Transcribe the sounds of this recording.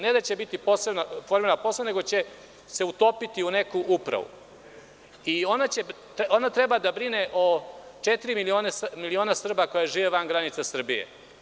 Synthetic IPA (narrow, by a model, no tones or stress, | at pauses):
ne̞d̪at͡ɕe̞bit̪ipo̞senafoɾmilnaposene̞ɡo̞t͡ɕe̞ | se̞ut̪o̞pit̪iune̞kuʔupɾa̰ʋṵ | io̞nat͡ɕe̞ | onat̪ɾe̞bad̪abɾineʔot͡ʃet̪iɾimilioːnesmilio̞ːnasr̩bako̞jeʒiːʋeʋanɡɾanit̪sasr̩bijḛ